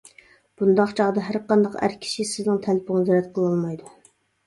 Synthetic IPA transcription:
b̥und̪ɑqt͡ʃʰɑʁd̪ɑɦæɾqɑnd̪ɑqæ̰ɾkʲʰi̥ʃisɪznɪŋt̪ʰɛlpʰʊŋɑzɛɾɛt̪̚qʰəlˠɑlˠmɑjd̪u

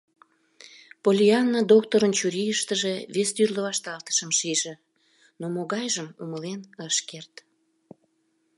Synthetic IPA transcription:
polʲiɑnːəd̪ok̚t̪oɾənt͡ɕuɾijəʃt̪əʒeβesd̪yrləβɑʃt̪ɑlt̪ə̥ʃəmʃijʒĕ | nomoɣɑjʒəmuməlenəʃkert̪

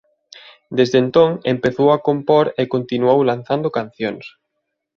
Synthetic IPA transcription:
d̪ezðent̪oŋempeθowakompoɾekont̪inuowlanθand̪okanθjoŋs

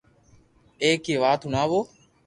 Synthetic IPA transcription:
eːkeːʋaːt̪ɦʊnaːʋoː

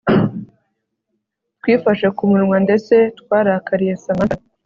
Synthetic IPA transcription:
twiːfaʃekumuɾimwande̞t͡se̞t̪kwaːɾakaɾije̞sama

